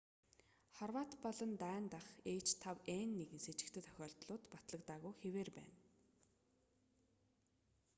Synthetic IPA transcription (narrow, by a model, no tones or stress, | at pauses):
χɔrwaːt̪pɔɮɞ̆nt̪æːnt̪aχeːt͡ɕt̪ʰawenːeɣɘ̆nset͡ɕɪ̆kt̪ʰɘ̆t̪ʰœ̥xʲɔːɬt̪ɮʊːt̪pat̪ɮə̆kt̪aːɣujxeweːrpæ̰ːn